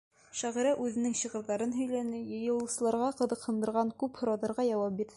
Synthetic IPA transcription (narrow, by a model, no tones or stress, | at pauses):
ʃæʁɘ̆ɾæʔʉðɘ̆nɘŋɕɤ̆ʁɤ̆ɾðɑɾɤnɦɵ̆jlænɘjɤ̆jɤ̆lˠɤ̆sɤ̆lˠɑɾʁɑqɤ̆ðɤ̆qhɤ̆nd̪ɤ̆ɾʁɑŋkʉphŏɾɑðɑɾʁɑjɑwɑp̚biɾɘ